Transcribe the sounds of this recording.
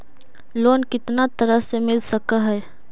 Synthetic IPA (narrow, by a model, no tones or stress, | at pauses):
loːnkɪt̪nat̪ɐɾəɦsemɪlsɐkaɦɛː